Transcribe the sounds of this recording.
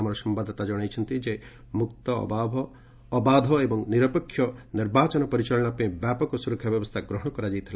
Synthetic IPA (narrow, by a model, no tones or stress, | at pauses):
amaɾɔsɔmbad̪at̪ad͡ʒɔɽ̃ajt͡ʃʰɔnt̪id͡ʒe | mukt̪ɔ̰babʱː | baːd̪ʱɔebɔŋniɾɔpɔkʰːjɔniɾbaːt͡ʃɔnɔpɔɾit͡ʃɐlɔɽ̃apẽbjapɔkɔsuɾɔkʰjabjɔbɔst̪ʰaɡɾɔɦɔ̃ɔkɔɾad͡ʒajt̪ɦla